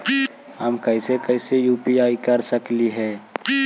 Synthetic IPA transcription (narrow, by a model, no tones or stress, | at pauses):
əmkəsekəɪsejuːpiaːikəɾsəkliɦɛ̃ː